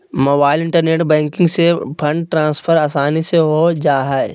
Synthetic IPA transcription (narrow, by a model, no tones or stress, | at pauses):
moːbaːɪlɪ̃ɳʈəɾneːʈbɛ̃ːŋkɪ̃ŋɡsepʰɐ̃ɳɖʈɾãːnspʰəɾaːsaːniseɦod͡ʒaːɦae